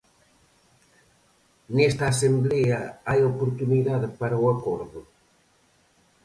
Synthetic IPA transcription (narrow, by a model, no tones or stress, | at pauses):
nɛst̪aːsemblɛɐajopoɾt̪uniðaðepaɾɐwɐkɔɾðʊ